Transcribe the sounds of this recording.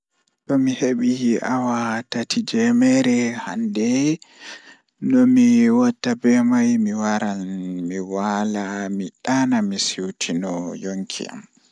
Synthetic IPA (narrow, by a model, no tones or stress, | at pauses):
tɔmiheɓiawatatʰid͡ʒɛmɛɾɛhandɛ | nɔmiwɔtːabɛmajmiwaɾamiwalamiɗanamisiwtʰinɔjoŋkʰḭa̰m